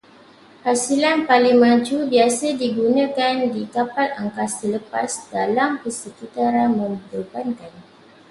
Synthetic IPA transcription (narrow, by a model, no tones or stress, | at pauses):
hasilanpaliŋmãd͡ʒubiasədiɡunãkandikapalaŋkasələpasdalamkəsəkit̪aɾamə̃mədəkankan